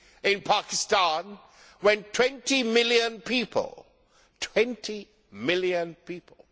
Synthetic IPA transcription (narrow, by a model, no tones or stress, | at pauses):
ɪ̃npʰakɪstãn | wɛ̃ntʰw̥ɛ̃ntimɪlˠjə̃npʰipʰə̰l̩ˠ | tʰw̥ɛ̃ntʰi | mɪlˠjə̃npipʰəl̩ˠ